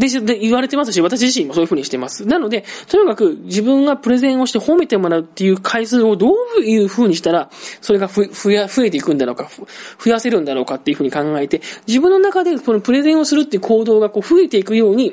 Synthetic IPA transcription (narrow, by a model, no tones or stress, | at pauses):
d̪eɕd̪eiβaɾe̞t̪e̞masɨɕiβat̪aɕiʑiɕ̬ĩmːo̞sojɯ̟ɯ̟ːɲiɕi̥t̪e̞masɨ̥nano̞d̪e̞t̪o̞ɲ̟ikakɯ̟d͡ʑibɯ̟̃ŋɡapɯ̟ɾe̞zẽɰ̃o̞ɕi̥t̪e̞ho̞me̞t̪e̞mo̞ɾaɯ̟t̪ːe̞jɯ̟ːkʰaisɨːo̞d̪o̞ːbɯ̟ɯ̟ːɸɯ̟ːɲ̟iɕi̥t̪aɾaso̞ɾe̞ɡaɸɯɸɯjaɸɯ̟e̞t̪e̞ikɯ̟̃nd̪aɾo̞kaɸɯ̟jase̞ɾɯ̟̃nd̪aɾo̞ːkat̪ːe̞iɯ̟ɸɯ̟ɲ̟ikãŋɡae̞t̪e̞d͡ʑibɯ̟̃nːo̞nakad̪e̞so̞nopɯ̟ɾe̞zẽ̞ɰ̃o̞sɨɾɯ̟t̪ːe̞jɯ̟ko̞ːd̪o̞ːɡako̞ːɸɯ̟e̞t̪e̞ikɯ̟jo̞ːɲ̟i